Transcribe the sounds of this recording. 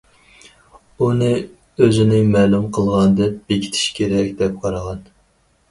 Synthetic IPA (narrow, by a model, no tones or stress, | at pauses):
unɨ | øzɪnɪŋmɛːlumqʰəlˠʁɑnɨd̪ɛp̚b̥ekʲʰi̥t̪ʰi̥ʃkʲʰeɾɛkʲd̪ɛp̚qʰɑɾəʁɑn